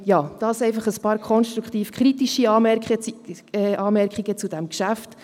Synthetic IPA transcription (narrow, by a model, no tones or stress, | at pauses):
jɑːd̥ɑːsɛɪfɑχəspɑːɾkʰɔnʃt̪ɾukχt̪iːfkʰχɾit̪iʃiɑːmɛkə | ɛʔɑːmɛɾkχiɡət͡sud̥̪ɛmkʃæft